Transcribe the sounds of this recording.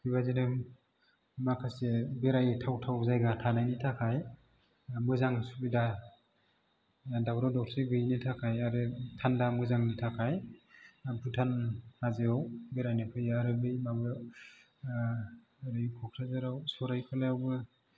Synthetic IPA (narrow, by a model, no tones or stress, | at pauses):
kʰɯβazinɯ | makʰasebeɾajtʰawtʰawzajɡatʰanajnitʰakʰaj | mɯzaŋsubida | daɡɾawdɔk̚tʰeɡɯjnitʰakʰajaɾɯtʰandamɯzaŋnitʰakʰaj | pʰutʰanhazɯawbeɾajnɯkʰɯjaɾɯbɯjmaɡɯ | ɾɯjkʰɔkʰɾazaɾawsɔɾajkʰɯlajawbɯ